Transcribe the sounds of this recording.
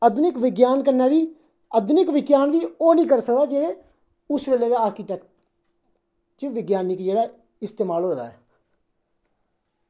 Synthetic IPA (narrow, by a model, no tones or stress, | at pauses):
əd̪nɪkʋɪɡjaːnkənːaːʋiː | əd̪ʊnɪkʋɪɡjaːnʋiːoːnĩːkəɾsək̚d̪aːd͡ʒeːɽeː | ʊsɾeːleʋaaːɾkɪʈɛːkʈ̚ | t͡ʃeʋɪɡjaːnɪkd͡ʒeːɽaː | ɪst̪eːmaːlɦoːd̪a̰ːɛː